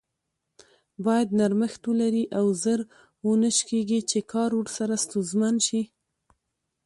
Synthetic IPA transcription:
bɑjad̪naɾməxt̪wəlaɾiʔawzəɾ | wənəʃkeɡit͡ʃekʰɑɾwəɽsaɾast̪uzmanʃi

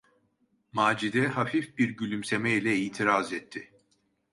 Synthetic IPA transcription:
maːd͡ʒid̪ɛɦafifbiɾɟylʲymsemɛilʲɛiːt̪ʰiɾazɛt̪ʰːɪ

